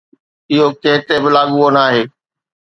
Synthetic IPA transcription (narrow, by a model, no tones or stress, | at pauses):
ɪɦokeɦɪt̪ebɪlaːɠuoːnaːɦeː